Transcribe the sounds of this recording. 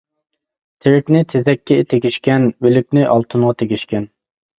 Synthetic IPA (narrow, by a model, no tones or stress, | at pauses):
t̪ʰɪɾɪkʲnɪt̪ʰezɛkʲːɛt̪ʰeɡʲiʃkʲɛnølykʲnɪʔɑlˠt̪ʰɨnʁɑt̪ʰeɡʲiʃkʲɛn